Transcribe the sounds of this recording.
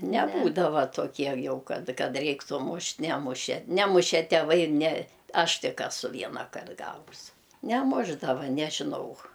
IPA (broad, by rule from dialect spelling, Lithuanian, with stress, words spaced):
nʲɛˈbuːdɐʋɐ toːˈkʲiɛ ˈjɛʊ ˈkɐt ˈkɐt ˈrʲɛɪktuː ˈmʊʃʲtʲ ˈnʲæːmʊʃʲɛ ˈnʲæːmʊʃʲɛ tʲɛˈʋɐɪ ɪr nʲɛ ˈɐʃ ˈtʲɪk ɛˈsʊ ˈʋʲiɛnɐkɐrt ˈɡɑːʋʊs nʲɛˈmʊʒdɐʋɐ nʲɛʒʲɪˈnɐʊ